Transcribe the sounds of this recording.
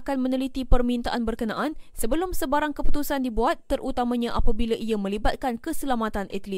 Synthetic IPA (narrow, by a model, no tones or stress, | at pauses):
kanmə̃nə̃lit̪ipərmĩnt̪aʔanbərkənãʔansəbəlʊmsəbaɾaŋkəpu̥t̪usandibuat̪ːərut̪amãɲãʔapabilaʔiamə̃libat̪̚kankəsəlamat̪anʔɛt̪əli